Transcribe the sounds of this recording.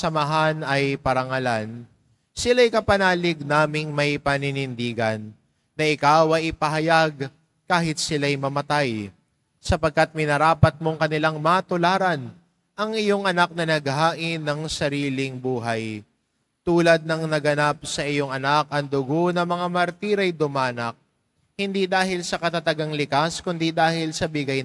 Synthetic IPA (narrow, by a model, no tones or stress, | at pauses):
sɐmɐɦanɐjpɐɾɐŋɐlan | sɪlajkɐpɐnaːlɪɡnaːmɪŋmɐjpɐnɪnɪnd̪iːɡɐnː | ɐʔɪkawɐjɪpɐɦɐjaɡ | kaːhɪt̪̚sɪlajmɐmɐt̪aj | sɐpɐɡ̚kat̪̚mɪnɐɾaːpɐt̪̚mo̞ŋkɐnɪlaŋmɐt̪ʊlaːɾɐn | ʔɐŋʔɪjo̞ŋʔɐnak̚nɐnɐɡ̚ɦaːʔɪnːɐŋsɐɾiːlɪŋbuːɦɐj | t̪uːlɐd̪̚nɐŋnɐɡɐnap̚sɐʔɪjoŋɐnakɐŋd̪ʊɡo̞nɐmɐŋamɐɾt̪iːɾɐjd̪ʊmaːnɐk̚ | hɪnd̪id̪aːɦɪlsɐkɐt̪at̪ɐɡaŋlɪkaskʊnd̪id̪aːhɪlsɐbɪɡaj